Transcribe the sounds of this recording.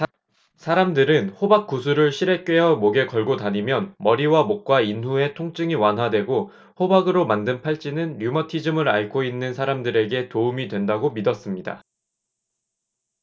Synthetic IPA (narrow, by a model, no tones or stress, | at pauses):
sʰaɾamdɯɾɯnɸobak̚k͈usʰuɾɯɭɕʰiɾe̞k͈ɥe̞ɦʌmoɡe̞kʌɭɡotaɲimjʌnmʌɾiwamok̚k͈wainɦue̞tʰoŋt͡ɕ͈ɯŋiwanɦwadwe̞ɡo | hobaɡɯɾomandɯnpʰaɭt͡ɕ͈inɯnɾjumʌtʰid͡ʑɯmɯɾaɭkʰoinːɯnsʰaɾamdɯɾe̞ɡe̞toumidwe̞ndaɡomidʌs͈ɯmɲida̰